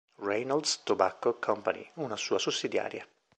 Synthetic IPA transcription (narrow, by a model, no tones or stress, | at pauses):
rɛjnald̪st̪obakːokʰɔmpanḭunasuːasusːid̪ja̰ːɾja